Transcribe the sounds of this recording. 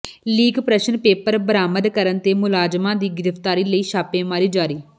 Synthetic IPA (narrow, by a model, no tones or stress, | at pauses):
liːɡpɾəʃənpeːpəɾbəɾaːməd̪kəɾənt̪eːmʊlaːd͡ʒmãːd̪iːɡɪɾəft̪aːɾiːləiːʃaːpeːmaːɾiːd͡ʒaːɾiː